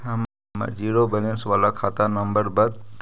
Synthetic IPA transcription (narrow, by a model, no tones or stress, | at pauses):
am | ma̰d͡ʒiːɽobənensʋalakʰat̪anəmbəɾbəd̪